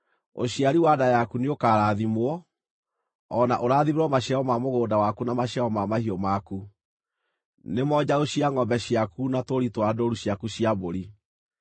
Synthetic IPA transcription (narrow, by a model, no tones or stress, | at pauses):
o̰ɕiaɾiwadajakuneokaːɾaːðimwɔ | ɔnaʔoɾaðieɾɔmaɕjaɔmamoɣoːdawakunamaɕjaɔmamahiɔmaku | nemɔd͡ʑaoɕiaŋɔbɛɕiakunatoɾitwadoɾuɕjakuɕiaboɾi